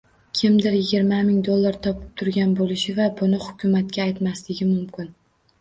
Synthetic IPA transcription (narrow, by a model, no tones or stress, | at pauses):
kʲʰɪmd̪ɪɾjɪɡʲɪɾmamɪŋd̪olˠːaɾt̪ʰɒpʰɪ̥p̚t̪ʰʊɾɡʲanbolɪʃɪvabʊnɪhʊkʲʰʊmat̪̚kʲaːjt̪maslɪɡʲɪmʊmkʲɪn